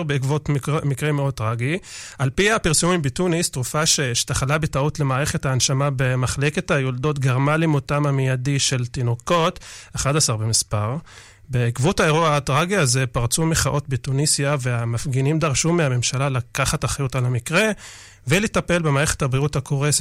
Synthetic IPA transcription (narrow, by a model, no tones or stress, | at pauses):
ʁbekvotmikʁemeod̚tʁaɡiʔalpiapiʁsumimbetunistʁufaʃeʃtaχalabetautle̞maːʁeχe̞thaːnʃamabemaχleke̞thajoldo̞tɡeʁmalimotamamijadiʃe̞ltinoko̞taχadasaʁbemispaʁ | beːkvuthaeʁoatʁaɡiazepaʁt͡sumeχaʔo̞tbetunisjaveamafɡinimd̪aʁʃumeame̞mʃalalakaχataχajutalamikʁe̞ | veletape̞lbe̞maːʁeχethabʁiuthakoʁes